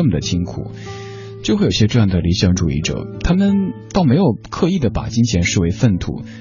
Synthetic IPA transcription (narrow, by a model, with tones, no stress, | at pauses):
ə˥˩mə˩d̪ə˩t͡ɕʰi˥ŋkʰṵ˨˩˦ | t͡ɕjo˥˧xe˥˩jɕʲɛ˥ʈ͡ʂɤ˥˧jɑ˥˩ŋd̪ə˩li˧˥ɕjɑ˧˥ŋʈ͡ʂu˨˩ḭ˥˩ʈ͡ʂɤ̰˨˩t̪ʰa˥mə˨nt̪ɑ˥˩ʊme˧˥ɪjo˨˩ʊkʰɤ˥˧i˥˩d̪ə˩pa̰˨˩t͡ɕi˥ŋt͡ɕʰjɛ˧˥nʂɻ̩˥˩we˧˥ɪfə˥˩nt̪ʰṵ˥˩